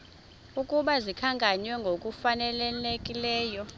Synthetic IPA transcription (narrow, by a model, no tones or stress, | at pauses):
ukʼuɓazikʰaŋɡʱʼaɲwɛŋɡʱokʼufanɛlɛlekʼilɛːjɔ